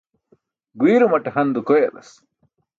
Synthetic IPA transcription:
ɡwiːɾumɐʈeɦɐnd̪ukojelɐ̰s

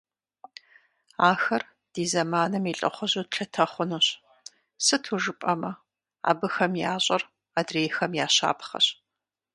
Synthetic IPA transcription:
aːxɐr | d̥iːzɐmaːnɨmiːɬʼɨ̰χʷɔʑotɬʰɐtʰɐχʷʊnɨɕ | sɨtʰuʒɨpʼɐmɐ | a̰ːbɨxɐmjaːɕʷʼɐr | aːdreːjxɐmjaːɕa̰ːpχɐ̰ɕ

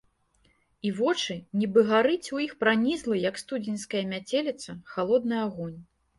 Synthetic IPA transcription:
ivɔt͡ʂɨnʲibɨɣaɾɨt͡sʲujixpɾanʲizlˠɨjɐkst̪ud͡zʲinʲskɐjɐmʲat͡sʲelʲit̪sɐxalˠɔd̪̚nɨaɣɔnʲ

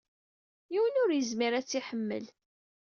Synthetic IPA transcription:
jiwənʊɾjəzmiɾæt͡sːiħəmːə̰l

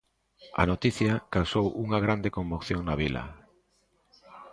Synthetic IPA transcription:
ɐ̰not̪iθjɐkawsowuŋɐɣ̞ɾand̪ekombokθjoŋnaβilɐ̰

